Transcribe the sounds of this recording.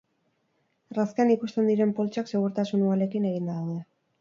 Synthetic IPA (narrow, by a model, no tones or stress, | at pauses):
raskeanikust̪e̞nd̪iɾe̞mpo̞lt͡ʃakse̞ɣuɾt̪asunuale̞kine̞ɣind̪aðawðe